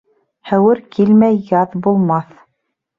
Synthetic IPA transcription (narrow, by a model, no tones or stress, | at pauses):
hæwɘɾkʰilmæjːɑðbulˠmɑθ